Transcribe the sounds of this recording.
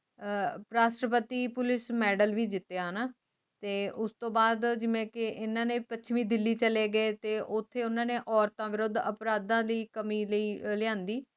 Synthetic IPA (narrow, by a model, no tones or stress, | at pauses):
pɾaːsɾəpət̪iːpʊlɪsmɛːɖəlʋiːd͡ʒɪt̪ːejaːɦənaː | t̪eːʔʊst̪õːbaːd̪d͡ʒɪʋẽːkɪʔɪnːãːneːpət͡ʃʰʋĩːd̪ɪlːiːt͡ʃəleːɡəeːt̪eːʔʊt̪ʰːeːʊnãːneːʔɔːɾt̪ãːʋɪɾʊd̪əpɾaːd̪ãːd̪iːkəmiːləiːlɪjãːnd̪iː